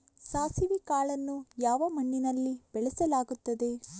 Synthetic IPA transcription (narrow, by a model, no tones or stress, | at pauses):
saːsiʋikaːɭɐnːujaːʋɐmɐɳːinɐlːib̥ɛɭɛsɐlaːɡut̪ːɐd̪e̞